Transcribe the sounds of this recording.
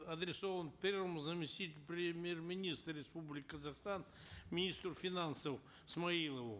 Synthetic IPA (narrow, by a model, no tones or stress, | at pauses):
ɐd̪ɾʲɪsovənpʲervəmʊzəmʲɪsʲtʲitʲɪlʲpɾʲɪmʲjermʲɪnʲist̪ɾːʲɪspublʲɪkʲɪkəzaxst̪anmʲɪnʲist̪ɾʊfʲɪnansəf | smɐilˠəvʊ